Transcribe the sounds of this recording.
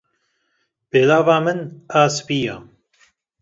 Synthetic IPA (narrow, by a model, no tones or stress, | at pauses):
beːlaːvaːmɨnaːsbiːjaː